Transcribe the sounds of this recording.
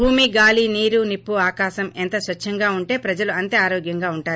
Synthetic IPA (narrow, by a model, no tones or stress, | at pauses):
bʱuːmiɡaːliniːɾunipːuaːkaːʃɐmɛnt̪ɐsʋɐt͡ʃʰːɐŋɡaːuɳʈe̞ːpɾɐd͡ʒɐluɐnt̪eːaːɾoːɡjɐŋɡaːuɳʈaːɾu